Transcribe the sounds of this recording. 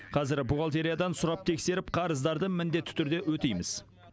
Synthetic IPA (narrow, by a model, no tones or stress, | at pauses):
qʰɑzɪɾbuʁɑlˠt̪e̞ɾijad̪ɑnsʊɾɑp̚t̪ʰe̞kse̞ɾɪp̚qʰɑɾəzd̪ɑɾd̪əmɪnd̪e̞t̪ːɪ̥t̪ʰʏɾd̪e̞ʔwɵt̪ejmɪz̥